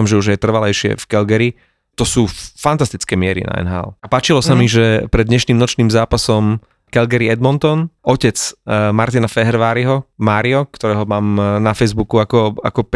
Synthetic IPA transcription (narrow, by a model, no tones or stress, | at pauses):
amʒɛuʒjɛt̪r̩ʋalɛjʃɪɛ̰fkɛlɡɛɾi | t̪ɔsuːfant̪ast̪it͡skɛːmɪɛɾḭna̰ɛ̰nɦa̰ːlapaːt͡ʃilɔsamiʒɛpɾɛd̪ɲɛʃniːmnɔt͡ʃniːmzaːpasɔm | kɛlɡɛɾiɛd̪mɔnt̪ɔnɔcɛt͡smaɾt̪inafɛɦɛɾʋaːɾiɦɔmaːɾiɔkt̪ɔɾɛːɦɔmaːmnafɛjzbukuakɔa̰kɔp